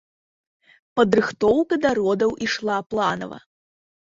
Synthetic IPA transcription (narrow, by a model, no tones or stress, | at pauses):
pɐd̪ɾɨxt̪ɔwkɐd̪aɾɔd̪ɐwʔiʂlˠaplˠanɐ̰vɐ̰